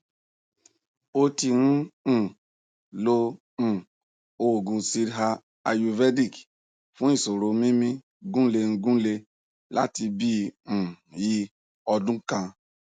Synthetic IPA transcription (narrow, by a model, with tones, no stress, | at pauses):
o˦ti˧ɾũ˦˨ | lo˧ | ũ˨ | o˦˨ɡũ˧si˧ɾɦa˧ | a˧ju˧vɛ˦di˦˨k | fũ˦i˦˨so˨ɾo˧mĩ˦mĩ˦ | ɡũ˦le˧ñ̩˧ɡũ˦le˧ | la̰˦ti˧bĩ˦˨ | ji˧ | ɔ˧dũ˦kã˧